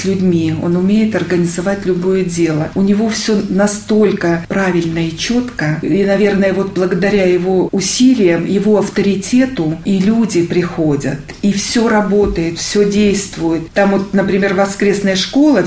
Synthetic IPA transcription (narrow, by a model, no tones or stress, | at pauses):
sʲlʲʉdʲmʲio̞̰nʊmʲejɪt̪ɐrɡənʲɪzɐvatʲlʲʊbo̞jədʲe̞lˠəʊnʲɪvo̞fsʲonɐst̪o̞lʲkəpɾavʲɪlʲnəɪt͡ɕo̞t̪kəinɐvʲe̞rnəjəvo̞t̪̚blˠəɡəd̪ɐɾʲajɪvo̞ʊsʲilʲɪjəmjɪvo̞ɐft̪əɾʲɪtʲe̞t̪ʊilʲudʲɪpɾʲɪxo̞dʲə̰t̪ | ifsʲo̞ɾɐbo̞t̪əjɪt̪fsʲɵdʲejst̪vʊjɪt̪ːamvo̞t̪nəpɾʲɪmʲe̞rvɐskɾʲe̞snəjəʂko̞lˠə